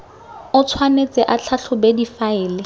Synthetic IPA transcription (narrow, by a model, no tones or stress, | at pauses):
ʊt͡sʰwanet͡sʼɛʔat͡ɬʰaɬʰʊbedifaɪːlɪ